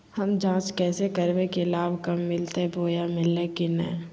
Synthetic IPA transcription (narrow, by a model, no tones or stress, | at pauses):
hɐmd͡ʒãːt͡ʃkɛːsekɐɾʋekelaːbkɐmːɪlt̪ebʱoːjamɪlːẽkinɛ̰